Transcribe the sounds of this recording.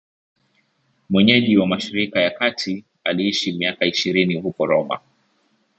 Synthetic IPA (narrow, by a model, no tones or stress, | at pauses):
mwɛɲɛʄiwamaʃiɾikajakatʰi | aliiʃimiakaiʃiɾinihukɔɾɔma̰